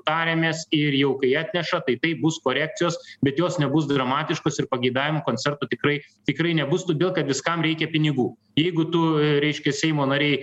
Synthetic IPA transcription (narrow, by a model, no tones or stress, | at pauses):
t̪ɑːɾʲemʲeːsɪrjɛʊkɐɪɑːt̪ʲnʲɛʃɐt̪ɐɪt̪ɐɪp̚bʊskoːɾʲæːk̚t͡s̪ʲɪjoːsbʲɛt̪joːsnʲɛbʊs̬d̪ɾɐmɑːt̪ʲɪʃkoːsɪrpɐɡʲɐɪd̪ɑːʋʲɪmoːkoːnʲt͡s̪sʲɛrt̪oːt̪ʲɪkrɐɪt̪ʲɪkrɐɪnʲɛbʊst̪ʊdʲeːlˠkɐt̪ʋʲɪskɐmɾʲɛɪkʲɛpʲɪnʲɪɡuː | jɛɪɡʊt̪ʊɾʲɛɪʃʲkʲɛsʲɛɪmoːnɑɾʲɛɪ